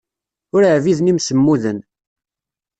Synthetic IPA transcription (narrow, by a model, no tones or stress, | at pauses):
ʊɾəʕviðnimsəmːuðən